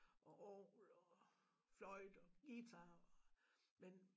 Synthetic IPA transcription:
ʔɒ̽ʔɒːlɒ | flɒɪd̥ɒɡ̥it͡sʰɑɒmen

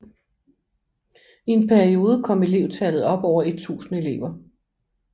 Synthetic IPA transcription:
ie̝npʰæɐio̝ːð̞ˠəkʰɒ̽m̰e̝le̝ʊt͡sʰælð̩ˠɒ̽b̥ɒʊ̰ɐe̝d̥̚t͡sʰṵːsn̩e̝le̝̰ʊɐ

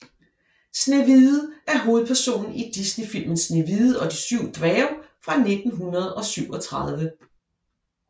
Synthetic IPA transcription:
sneʋið̩ˠʔæɐɦo̝ːð̞̩ˠpʰæɐso̝̰ːnn̩id̥isnefil̰mən̩sneʋið̩ˠɒ̽d̥isyʊ̰d̥ʁɛʊfʁɑ̈ne̝d̥n̩ɦunʁɐð̞̩ˠɒ̽syʊ̰ɒ̽t͡sʰʁɑð̞ˠʋə

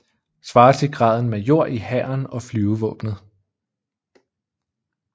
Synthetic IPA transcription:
sʋɑ̈ːt͡sʰe̝ɡ̥ʁɑ̈ːð̞̰ˠn̩mejo̝ɐ̰ʔihæːɐnɒ̽flyːʊʋɔ̰̽ːb̥nð̞̩ˠ

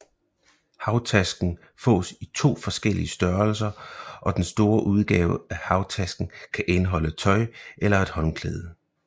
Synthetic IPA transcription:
hɑ̈ʊt͡sʰæsɡ̥n̩ | fɔ̰ːsit͡sʰo̝̰ːfɒ̽sɡ̥el̰ḭəsd̥ɶɐls̬ɐʔɒ̽d̥ensd̥o̝ːɐʔuð̞ˠɡ̥ɛ̰ːʊæhɑ̈ʊt͡sʰæsɡ̥n̩kʰæʔe̝nɦɒ̽lət͡sʰɒ̽ɪʔelɐe̝d̥hɒ̽nkʰlɛ̰ːð̞̩ˠə

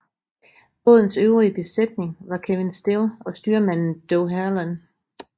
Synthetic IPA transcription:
b̥ɔ̽ðˠn̩søʊʁiəb̥e̝sed̥ne̝ŋʋɑ̈kʰeʋe̝nsd̥e̝lɒ̽sd̥yːɐmæn̰n̩d̥ɔʊɦæɐlæn

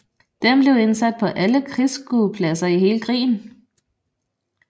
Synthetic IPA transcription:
d̥emb̥le̝ʊe̝nsæd̥̚pʰɒ̽ʔæləkʰʁisɡ̥upʰlæsɐiɦe̝ːləkʰʁḭːn̩

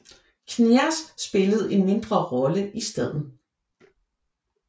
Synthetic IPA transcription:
kʰniæsːb̥e̝ləð̞̩ˠe̝nme̝nd̥ʁɐʁɒ̽ləʔisd̥ɛð̞̰ˠn̩ˠ

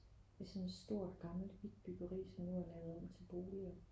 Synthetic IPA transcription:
esɒ̽mesd̥o̝ɐ̰d̥ɡ̥ɑ̈ml̩ʋid̥̚b̥yɡ̥ɐʁḭːsɒ̽mnuælæʊð̩ˠɒbt͡sʰe̝b̥o̝ːliɒ

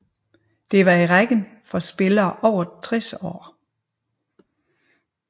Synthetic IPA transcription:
d̥e̝ʋɑ̈iʁaɡ̥ənfɒ̽sb̥e̝lɐːʔɒʊ̰ɐt͡sʰʁɛsɒ̰ː

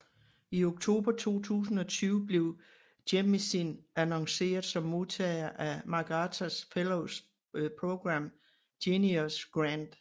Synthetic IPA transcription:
io̝ɡ̥t͡sʰo̝̰ːb̥ɐt͡sʰo̝̰ːt͡sʰṵːsn̩ɒ̽t͡sʰyːʊb̥le̝ʊ | d̥emmesinænɒ̽ŋse̝̰ːɐð̩ˠsɒ̽mːo̝ðˠt͡sʰɛːɪɐʔæmɑ̈ɡ̥ɑt͡sʰæsfeloʊs | pʰʁoɡ̥ʁɑ̈m̰ | d̥iniosɡ̥ʁænd̥

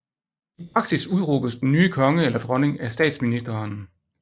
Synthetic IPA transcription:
ipʰʁɑ̈ɡ̥sisuð̞ˠʁoːb̥sd̥en̩nyːkʰɒ̽ŋəelɐd̥ʁɒ̽ne̝ŋæsd̥ɛ̰ːd̥sminisd̥ɐn

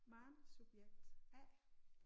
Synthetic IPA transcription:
mɑ̈ːnsub̥jeɡ̥̚d̥æ̰

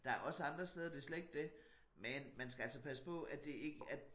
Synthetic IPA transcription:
d̥ɑ̈æɐʔɒ̽səɑ̈nd̥ʁɐsd̥eːð̞ˠɐd̥e̝ɐsleɡ̥̚d̥e̝ | menmænsɡ̥æælsɒpʰæsə̥pʰɒ̽æd̥e̝e̝ɡ̥əæ

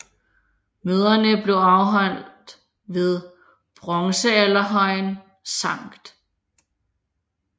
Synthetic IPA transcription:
møːð̞ˠɐnəb̥le̝ʊɑ̈ʊɦɒ̽n̰d̥ | ʋe̝ð̞ˠ | b̥ʁɒ̽ŋsəælɐɦɒ̽ɪ̰n | sɑ̈ŋ̰ɡ̥d̥

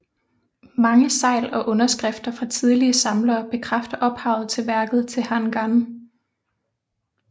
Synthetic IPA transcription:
mɑ̈ŋəsɑ̈ɪ̰lɒ̽ʔɔ̽nɐsɡ̥ʁɛfd̥ɐfʁɑ̈t͡sʰið̞ˠliəsɑ̈mlɐːb̥e̝kʰʁafd̥ɐʔɒ̽b̥hɑ̈ʊð̞̩ˠt͡sʰe̝lʋæɐɡ̥ð̞̩ˠt͡sʰe̝hænɡ̥ɑn

